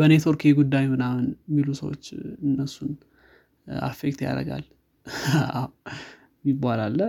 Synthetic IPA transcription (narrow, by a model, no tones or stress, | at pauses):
bənet̪ʰoɾkʰieɡud̪ːajhonahʊnjɛmːilusəwo̰t͡ʃːɨnːəsːun | ʔa̰fek̚t̪ja̰ɾə̰ɡa̰l | aw | mibalalːə